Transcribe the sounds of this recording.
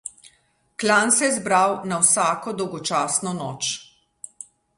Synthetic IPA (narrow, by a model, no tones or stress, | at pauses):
klansɛɛzbɾawnawsaːkɔd̪ɔwɡɔt͡ʃaːsnɔnɔːt͡ʃ